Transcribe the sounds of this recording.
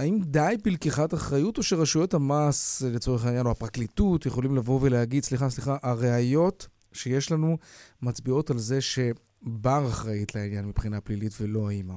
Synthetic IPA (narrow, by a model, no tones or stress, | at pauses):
aimd̪ajbilkiχataχʁajuto̞ʃeʁaʃuethamaslet͡so̞ʁeχainjanoapʁaklitutjeχo̞limlavo̞ve̞lehaɡid̪sliχasliχaʔaʁeajo̞t | ʃeje̞ʃlanumat͡sbio̞talze̞ʃe̞ | baʁaχʁajitleinjanmipχinaplilitvelo̞aima